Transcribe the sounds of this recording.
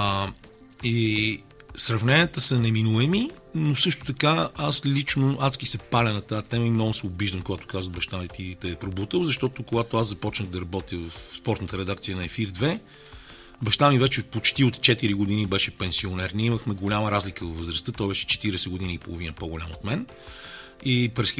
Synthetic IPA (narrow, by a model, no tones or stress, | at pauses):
i | sɾɐvnɛnʲiət̪əsɐnɛminuɛmi | nosɤʃt̪ʊ̥t̪ɐkaaslʲit͡ʃnoʔat̪skisɛpalʲɐnɐt̪at̪ɛməimnɔɡʊsɛʊbiʒd̪əmkoɡat̪ʊ̥kazvəd̪bɐʃt̪anit̪it̪ɛːpɾobut̪əwzɐʃt̪ɔt̪okoɡat̪oaszɐpɔt͡ʃnəxd̪ɐɾɐbɔt̪iəvɐfspɔɾt̪nət̪əɾɛd̪akt̪sijənɐɛfiɾd̪vɛ | bɐʃt̪amivɛt͡ʃɛpot͡ʃt̪iot̪t͡ʃɛt̪iɾiɡʊd̪inibɛʃɛpɛnsionɛɾnʲiɛiməxmɛɡolʲaməɾazlikəvɐfvəzɾəst̪ət̪ɔjbɛʃɛ̥t͡ʃɛ̥t̪iɾɛsɛɡʊd̪iniipolˠovinəpoɡolʲamot̪mɛn | ipɾɛs